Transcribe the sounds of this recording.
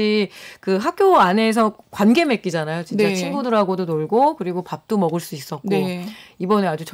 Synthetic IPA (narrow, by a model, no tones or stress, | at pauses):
ikɯɦak̚k͈joane̞s̬ʰʌkwanɡe̞me̞k͈id͡ʑanajot͡ɕint͡ɕat͡ɕʰinɡudɯɾaɡodonoɭɡokɯɾiɡopap̚t͈omʌɡɯɭs͈uis͈ʌt̚k͈oibʌnɯad͡ʑut͡ɕ